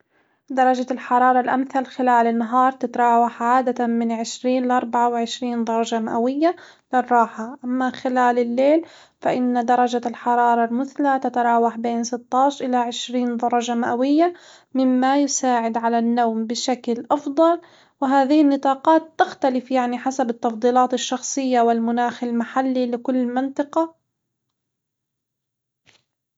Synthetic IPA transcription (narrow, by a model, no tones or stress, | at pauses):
d̪ɑɾˤɑd͡ʒalħɑɾˤɑːɾˤɑlʔamθalxɪlaːlɪnːaɦɑːɾˤt̪ɪt̪ɑɾˤɑːwaħʕaːd̪amɪnʕɪʃɾiːnlɪʔɑɾˤbaʕawɪʕɪʃɾiːnd̪ˤɑɾˤɑʒamaʔawɪjːa | lɪrˤːɑːħaʔamːaxɪlaːlɪlːeːl | faʔɪnːad̪ɑɾˤɑd͡ʒalħɑɾˤɑːɾˤɑlmɪθlat̪at̪ɑɾˤɑːwaħbeːnsɪt̪ˤːɑːʃʔɪlaʕɪʃɾiːnd̪ˤɑɾˤɑʒamaʔawɪjːa | mɪmːajʊsaːʕɪd̪ʕalanːaːmbɪʃaklʔɑfd̪ˤɑl | wɪɦaːðɪhɪnːɨt̪ˤɑːqɑːt̪ːaxt̪alɪfjaʕniħasabɪt̪ːɑfd̪ˤiːlɑːt̪ɪʃːɑxsˤɨjːawɪlmʊnaːxɪlmaħalːilɪkʊlːmɪnt̪ˤɨqɑ